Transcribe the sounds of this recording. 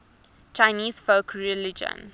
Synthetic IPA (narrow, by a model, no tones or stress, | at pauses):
t͡ʃaɪniːzfoʊkʰɹilid͡ʒə̰̃n